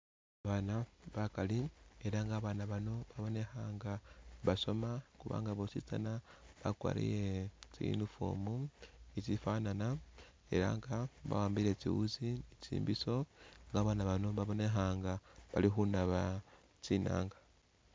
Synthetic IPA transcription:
aβanaβakalieɾaŋɡaːβaːnaβano̞βaβo̞ne̞xaːŋɡaβaso̞makuβa̰ːŋɡaβosit͡sa̰naβakwa̰ɾḭjet͡ʃḭnufo̰ːmuit͡ʃifanana | e̞̰ɾa̰ŋɡaβa̰waːmbiɾet͡ʃḭwṵzinit͡ʃḭːmbiso̞ŋɡaːβaːnaβano̞βaβo̞ne̞xaːŋɡaβalixunaβa | t͡ʃina̰ːŋɡa

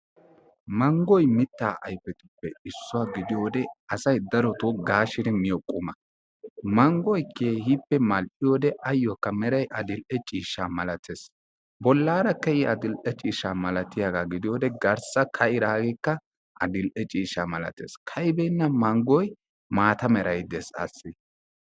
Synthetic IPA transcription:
mɐŋɡɔjmɪt̪ːaːʔɐjfɛt̪ɪ̥pːɛɪsːʊwaɡɪd̪ɪjoːd̪ɛɐsɐjd̪ɐɾɔt̪oɡaːʃɪd̪ɛmɪjɔkʼʊmɐ | mɐŋɡɔjkːeːhipːɛmɐlʔɪjoːd̪ɛʔɐjːɔkːɐmɛɾɐjʔɐd̪ɪlʔɛt͡ʃʼiːʃːaːmɐlɐt̪eːs | bɔlːaːɾɐkɛjɪʔɐd̪ɪlʔɛt͡ʃʼiːʃaːmɐlɐt̪ɪjaɡaːɡɪd̪ɪjoːd̪ɛɡɐɾsɐkʰɐɪɾaːɡekːɐ | ʔɐd̪ɪlʔɛt͡ʃʼiːʃamɐlɐ̰t̪ḛːskʰɐjbɛjnːɐmɐŋɡɔj | maːt̪ɐmɛɾɐjd̪ɛsɐ̰sːɪ

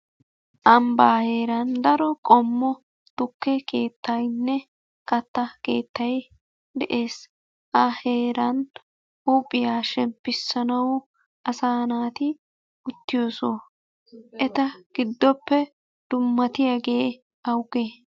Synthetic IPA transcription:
ʔɐmbaːhe̞ːɾɐnd̪ɐɾɔkʼɔmːɔ | t̪ʊkːɛke̞ːt̪ʰːɐjnːɛ | kɐt̪ːɐke̞ːt̪ːɐj | d̪ɛʔe̞ːs | ʔɐhe̞ːɾɐn | uːpʼːɪjaːʃɛmpːɪsːɐnɐw | ʔɐsaːnaːt̪ɪ | ʊt̪ːɪjo̞ːsoː | ʔɛt̪ɐɡ̥ɪd̪ːɔpːɛ | d̪̥ʊmːɐt̪ɪjaɡe̞ː | ɐwɡeː

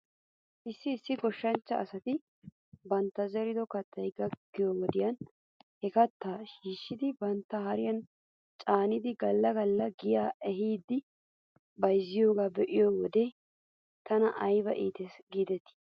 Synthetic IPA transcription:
ʔɪsːɪːsːɪɡɔʃːɐnt͡ʃːɐːsɐt̪ɪ | bɐnt̪ːɐzɛɾɪd̪ɔkɐt̪ːɐjɡɐɡːɪjoːwɔd̪ɪjɐn | hɛkɐt̪ːaːʃiːʃːɪd̪ɪbɐnt̪ːɐhɐɾɪjɐn | t͡ʃʼaːnɪd̪ɪɡɐlːɐɡɐlːɐɡɪjaːʔɛɦiːd̪ːɪ | bɐjzːɪjoːɡaːbɛʔɪjoːwɔd̪ɛ | t̪ɐnɐʔɐjbɐʔiːt̪ɛsɡiːd̪ɛt̪ːɪ̥

